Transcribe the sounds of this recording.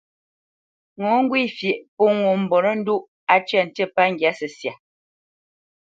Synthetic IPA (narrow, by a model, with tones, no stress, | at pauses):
ŋo˨˦ŋ̩˦ɡwi˦˨fje˨ʔpo˦ŋo˨m̩˨bɔ˨nə˦n̩˦du˦ʔ | a˨t͡ʃɥɛ˦˨n̩˨tə˦˨pa˦ŋ̩˨ɡja˨˦sə˨sja˨